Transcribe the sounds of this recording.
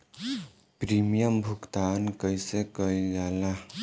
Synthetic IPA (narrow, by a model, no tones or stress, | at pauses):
pɾimijəmbʱukt̪ankəjsekəjd͡ʒala